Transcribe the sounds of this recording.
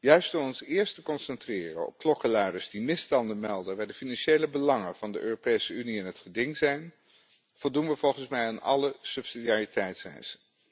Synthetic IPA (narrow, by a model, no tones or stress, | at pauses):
jœɥstɔmɔnsɪːɹstəkɔnsɛntrɪːrə̰nɔ̰p̚klɔkəlœɥdəɹzdimɪstɑndənmɛlˠdənʋaːdəfinɑnʃejləbəlɑŋənv̥ɑndəʔøːropejsəyniɛnɦətχədɪŋzɛjn | v̥ɔlˠdunʋəvɔlˠχənsmɛjanɑ̰ləsɵpsidiaritɛjtsɛ̰jsə